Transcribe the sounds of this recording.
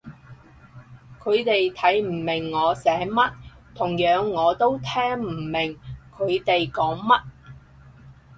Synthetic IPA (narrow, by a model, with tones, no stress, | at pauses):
kʰɵ˨˧ɥt̪e˨jt̪ʰɐ˨˥jm̩˨˩mɪ˨˩ŋːɔː˨˧sɛː˨˥mɐ˥t̚ | t̪ʰʊ˨˩ŋjœː˨˧˥ŋːɔː˨˧t̪o˥wt̪ʰɛː˥ŋm̩˨˩mɪ˨˩ŋkʰɵ˨˧ɥt̪e˨jkɔː˨˥ŋmɐ˥t̚